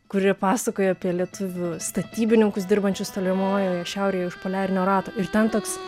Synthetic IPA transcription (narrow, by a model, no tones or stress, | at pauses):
kʊɾʲiɛpɑːsɐkoːjɛɐpʲiɛlʲiɛt̪ʊʋʲʊst̪ɐt̪ʲiːbʲɪnʲɪŋkʊsd̪ʲɪɾbɐnʲt͡ʃʲʊst̪oːlʲɪmoːjoːjɛʃʲɛʊɾʲeːjɛʊʃpoːlʲæːɾʲɪnʲoːɾɑːt̪oːɪrt̪ʲɛnt̪oːks